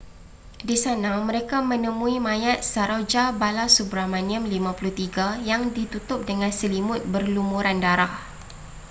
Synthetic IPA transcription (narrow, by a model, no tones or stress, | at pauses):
disanamə̃ɾekamə̃nəmũimãjat̪̚saɾod͡ʒabalasubɾamãniə̃mlimãpuluht̪iɡajaŋdit̪ut̪ʊp̚dəŋãnsəlimʊt̪̚bərlumuɾandaɾah